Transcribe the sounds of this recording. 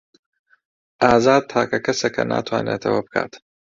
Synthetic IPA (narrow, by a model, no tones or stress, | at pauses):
aːzaːd̪̚t̪ʰaːkɐkɐsɐkʰɐnʔa̰ːt̪ʰwa̰ːnḛːt̪ʰɐwɐbɨkʰa̰ːt̪